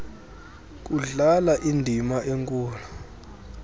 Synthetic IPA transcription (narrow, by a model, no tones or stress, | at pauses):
k̬ʼuɮalaʔindʱimaʔeŋkʼuːla